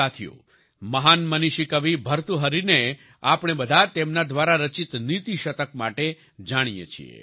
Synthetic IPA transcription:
at̪ʰijo̰ | məɦanməniʃikəʋibʱəɾt̪uɦəɾine | apɽ̃ebəd̪ʱat̪emnad̪ʋaɾaɾət͡ʃit̪nit̪iʃət̪ək̚maʈe | d͡ʒaɽ̃ijḛt͡ʃʰḭḛ

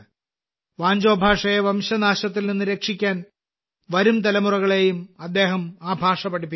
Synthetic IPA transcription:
ʋaːɲd͡ʑo̞ːbʱaːʂɐjeʋɐmɕɐnaːɕɐt̪ːilninːɨɾeːkʂikʲːaːn | ʋɐɾumt̪̬ɐlɐmurɐɣɐɭe̞jumɐd̪ːe̞ːɦɐmaːbʱaːʂɐpɐɽip̬ːi

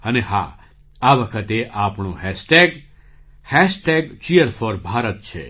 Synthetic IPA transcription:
əneɦa̰ | aʋəkʰət̪eʔapɳõɦɛsʈeɡ | hɛsʈeɡt͡ʃijəɾfoɾbʱaɾət̪̚t͡ʃʰḛ

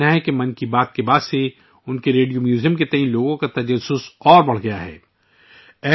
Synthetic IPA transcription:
naɦɛkemɐnkibaːt̪kebaːd̪se | ʊnkeɾeːɖijomjuːzijə̃mket̪ɛɦĩloːɡõkat̪ɐd͡ʒɐsʊsɔːɾbɐɽ̤ɡɐjaɦɛ̰ː | ɛː

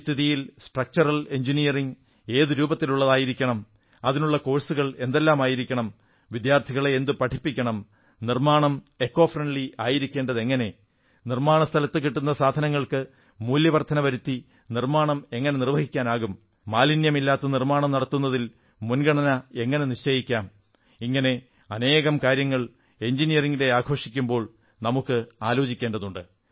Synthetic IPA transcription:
st̪ʰiðijilsʈrɐk̚t͡ɕɐrɐle̞ɲd͡ʑinijɐriŋ | e̞ːðɨɾuːbɐt̪ːiluɭːɐðaːjiɾikʲːɐɳɐm | ɐðinuɭːɐko̞ːɭsuɣɐɭe̞nd̪e̞lːaːmaːjiɾikʲːɐɳɐm | ʋid̪jaːrt̪ʰiɣɐɭeend̪ɨpɐʈʰipːikʲːɐɳɐm | nirmaːɳɐm | e̞kːo̞ːfrɐɳɖliaːjiɾikʲːe̞ːɳɖɐðe̞ŋːɐne̞ | nirmaːɳɐst̪ʰɐlɐt̪ːɨkiʈːunːɐsaːd̪ʱɐnɐŋːɐɭkɨ | muːljɐʋɐrt̪ʰːɐnɐʋɐɾut̪ːi | nirmaːɳɐme̞ŋːɐne̞nirʋɐɦikʲːaːnaːɣumː | aːlinjɐmilːaːt̪ːɐnirmaːɳɐmnɐɽɐt̪ːunːɐðil | munɡɐɳɐnɐe̞ŋːɐne̞niʂt͡ɕejikʲːaːm | iŋːɐne̞ | ɐne̞ːɣɐmkaːɾjɐŋːɐɭ | e̞ɲd͡ʑinijɐriŋɡide̞aːɡʰʱo̞ːʂikʲːumbo̞ːɭ | nɐmukːɨaːlo̞ːt͡ɕikʲːeːɳɖɐðuɳɖɨ

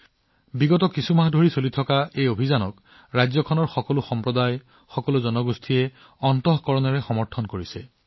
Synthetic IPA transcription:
biɡɔtɔkisumaɦadʱoɹisolitʰɔkaejobʱizanɔk | ɹajzɔkʰɔnɔɹxɔkɔlʊxɔmpɹɔdaj | xɔkɔlʊzɔnɔɡustʰijɛ | ɔntɔɦkɔɹɔnɔɹɛxɔmɔɹtʰɔnkoɹisɛ

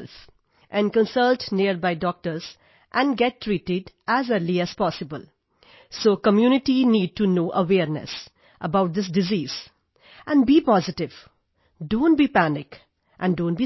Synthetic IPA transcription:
lf | ʔɛ̃nkə̃nsʌlʈniəɾbaɪɖɔk̚ʈəɾz̥ | ʔæ̃nɡɛʈːɾiːʈɪɖʔæzəɾliæz̥pɔsɪbə̰l | soːkəmjunɪʈiniːɖ̚ʈunoːʔəʋɛːɾnɛ̰s | ʔəbaʊʈ̚d̪ɪs̬dɪziːz̥ | ʔæ̃nbiːpɔzɪʈɪʋ | ɖõːnʈ̚biːpænɪk | ʔæ̃nɖõːnʈ̚bi

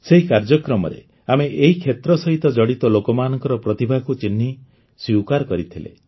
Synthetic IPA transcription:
seɦikaɾd͡ʒɔkɾɔmɔ̰ɾḛ | ameʔeɦikʰet̪ɾɔsɔɦit̪ɔd͡ʒɔɽit̪ɔlokɔmanɔŋkɔɾɔpɾɔt̪ibʱakut͡ʃinːi | swiwkaɾɔkɔɾit̪ʰilḛ

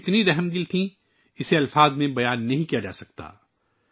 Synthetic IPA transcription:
ɪt̪niɾɛɦɛmd̪ilt̪ʰĩ | ɪseɐlfaːd̪mẽbɐjaːnːɐɦĩkijad͡ʒa̰ːsɐk̚t̪a̰ː

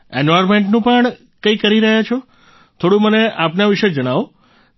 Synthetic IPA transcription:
enʋaɾmeɳʈnũpəɳ | kəikəɾiɾəɦjat͡ʃʰo | t̪ʰoɽũməneʔapnaʋiʃed͡ʒəɽ̃aʋo

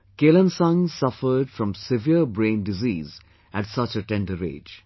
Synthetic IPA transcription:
keːlə̃nsʌ̃ŋsʌfəɾɖfɾʌ̃msɪviəɾbɾẽːnɖɪziːz | æʈsʌt͡ʃəʈɛ̃nɖəɾḛːd͡ʒ

